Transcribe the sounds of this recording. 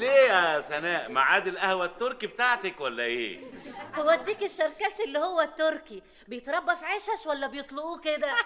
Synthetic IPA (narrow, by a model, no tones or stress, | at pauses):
leːæsænæːʔma̰ʕaːd̪elʔæhwæt̪ːoɾˤkibet̪aʕt̪ekwælːæʔḛːhowːæd̪iːkeʃːɑɾˤkæːsʔelːihowːæt̪ːoɾki | bejet̪ɾˤɑbːɑfʕeːʃæʃwælːæbejet̪ˤloʔuːked̪æ